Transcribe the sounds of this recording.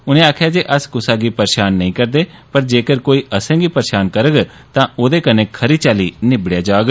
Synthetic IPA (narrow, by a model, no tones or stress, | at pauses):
ʊnẽːaːkʰjaːd͡ʒeːʔəskʊsaːɡiːpəɾeːʃaːnːəĩːkəɾd̪eːpəɾd͡ʒeːkəɾkoːiːʔəsɛ̃ːɡiːpəɾeːʃaːnkəɾəɡ | t̪ãːoːd̪eːkənẽːkʰəɾiːt͡ʃaːliːnɪbɽjaːd͡ʒaːɡ